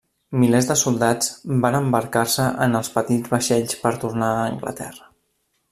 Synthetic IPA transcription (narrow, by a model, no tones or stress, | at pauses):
milezd̪əsulˠd̪ad͡zbanəmbəɾkarsəʔənəlˠspət̪id͡zβəʃɛʎspəɾt̪uɾnaəːŋɡlə̰t̪ɛ̰rə